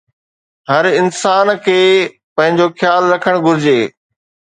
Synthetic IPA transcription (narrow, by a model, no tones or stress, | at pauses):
ɦɐɾɪnsaːnkʰeː | pɐ̃ɦɪ̃ɲd͡ʑoxjaːlɾɐkʰəɽ̃ɡʱʊɾɪd͡ʑeː